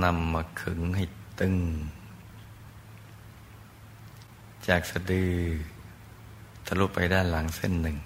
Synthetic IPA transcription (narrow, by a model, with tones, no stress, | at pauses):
na˧˥mːaː˧˩kʰɯ˨˩˦ŋha˧˩jt̪ɯ˧˩ŋ | t͡ɕaː˨˩k̚sa˧dɯː˧˩ | t̪ʰa˧lu˧˥˩pːa˧jdaː˥˩˨nla˨˩˦ŋse˧˥˩nːɯ˨˩ŋ